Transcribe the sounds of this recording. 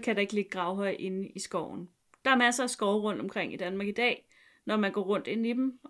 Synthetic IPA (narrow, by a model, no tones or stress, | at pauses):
kʰæɾ̥ɑ̈e̝ɡ̥le̝ɡ̥əɡ̥ʁɑ̈ʊɦɒ̽ɪ̰ʔe̝nisɡ̥ɒʊ̰n̩ | d̥ɑ̈æɐmæsɐæsɡ̥ɒʊʁɔ̽n̰d̥ɒ̽mkʰʁeŋ̰id̥ænmɑ̈ːɡ̥id̥ɛ̰ː | nɒmænɡ̥ɒːʁɔ̽n̰d̥e̝nid̥m